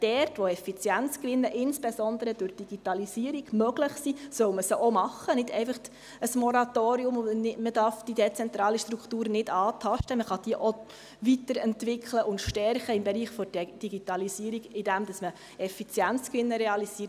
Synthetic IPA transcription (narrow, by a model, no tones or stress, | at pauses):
d̥ɛrtʋoɛfit͡sjænt͡skʋɪnːəʔɪnsb̥esɔnd̪əɾəd̥ʊɾd̥iɡ̥itɑlisiːəɾiɡ̥mœɡləχsisœʊməsoʔomɑχːənɪdɛɪfəχ | əsmɔɾɑtoːɾiʊmməd̥ɑɾfd̥id̥et͡sɛnt̪ɾɑːliʃtɾukχtuːɾnɪdɑːtʰɑʃtəməχɑd̥iəʔo | vitəɾɛntʋɪkχləʔʊntʃtɛrχəɪmbeɾiːχfɔd̥d̥iɡitɑlisiəɾiɡɪd̥æmd̥ɑsmə | ɛfit͡sjænt͡skʋɪnːəɾɛɑlisiəɾ